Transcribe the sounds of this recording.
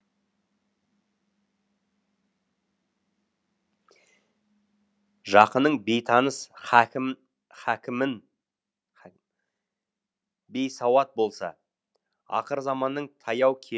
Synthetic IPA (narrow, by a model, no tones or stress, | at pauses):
ʒɑqənəɴbe̞jt̪ʰɑnəs | χækʲɪmɪn | be̞jsɑwɑt̪̚bo̞lˠsɑ̰ | ɑ̰qəɾzɑmɑnːəɴt̪ʰɑjɑwkʲʰe